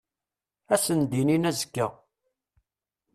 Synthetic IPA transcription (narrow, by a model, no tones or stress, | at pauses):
æsənd̪ininæzə̥kːə